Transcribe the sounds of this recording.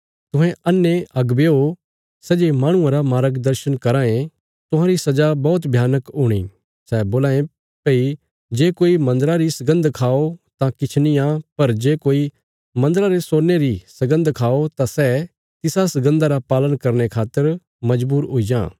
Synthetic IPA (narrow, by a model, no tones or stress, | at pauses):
t̪ʊɦɛ̃ɐnːeʔɐɡbeːo | sɛːd͡ʒeːmãːɽ̃ʊ̃ãɾamaːɾəɡd̪ɐɾʃənkɐɾãːẽ | t̪ʊɦãɾisɐd͡ʒabɔːt̪̬bʱjaːnəkɦʊɽ̃ḭ | sɛːboːlaːẽ | pei | d͡ʒeːkoːimɐ̃nd̪əɾaɾisɐɡə̃nd̪kʰaːot̪ãkɪt͡ʃʰnɪjãpɐɾd͡ʒeːkoːi | mɐ̃nd̪əɾaɾesoːneɾisɐɡə̃nd̪kʰaːot̪ãsɛː | t̪ɪsasɐɡə̃nd̪aɾapaːlənkɐɾnekʰaːt̪ːəɾ | mɐd͡ʒbuːɾɦʊid͡ʒã̰ː